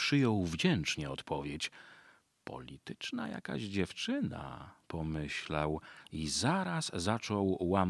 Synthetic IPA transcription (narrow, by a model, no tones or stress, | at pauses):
pʂɘjɔwvd͡ʑɛnt͡ʂɲɛɔt̪pʰɔvʲjet͡ɕ | pɔ̰lʲit̪ɘt͡ʂna̰ja̰ka̰ʑd͡ʑɛft͡ʂɘna̰pɔmɘɕlawizaɾasːat͡ʂɔwːam